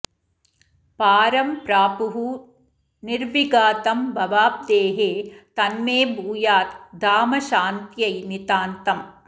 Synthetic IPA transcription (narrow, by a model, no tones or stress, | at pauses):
paːɾɐmpɾaːpuɦu | niɾʋiɡaːt̪ɐmbʱɐʋaːp̚d̪eːɦeːt̪ɐnmeːbʱuːjaːt̪d̪aːmɐʃaːnt̪jɐjnit̪aːnt̪ɐm